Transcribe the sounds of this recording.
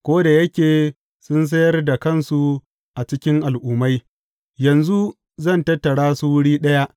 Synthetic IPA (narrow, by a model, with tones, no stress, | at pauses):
kʷoː˦da˨jɐ˦kʲeː˨ | sʊ˦ns̬ɐ˦jɐ˦rda˨kɐ˦˨nsu˨ | ʔa˨t͡ʃɪ˦kʲɪ˦ŋʔa˨lʔuː˨ma˦j | jɐ˨nzu˦ | zɐ˦˨ntɐ˦tːɐ˨ɽaː˦su˦wʊ˦ɽiː˦ɗɐ˦ja˦ʔ